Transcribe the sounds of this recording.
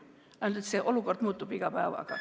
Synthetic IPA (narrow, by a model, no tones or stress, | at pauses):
ɑnld̪et̪seʔolukord̪muːt̪ːupiɡ̥ɑpæːʋɑ̰ɡ̥ɑ̰